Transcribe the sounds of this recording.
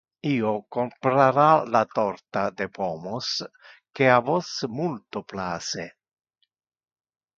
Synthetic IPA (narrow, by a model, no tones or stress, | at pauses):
iːokompɾaɾalat̪ɔɾt̪ad̪epomos | keavosmult̪oplaːse